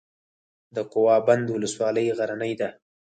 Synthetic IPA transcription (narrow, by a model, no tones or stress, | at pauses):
d̪əqʊwɑband̪wʊləswɑləjɣaɾanəjd̪a